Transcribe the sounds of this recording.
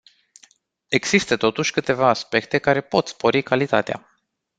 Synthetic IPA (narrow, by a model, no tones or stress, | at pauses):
e̞ɡz̥ist̪ət̪o̞t̪uʃʲkɨt̪e̞vaːspe̞k̚t̪e̞kaɾe̞po̞t̪spo̞ɾikalit̪at̪ea̰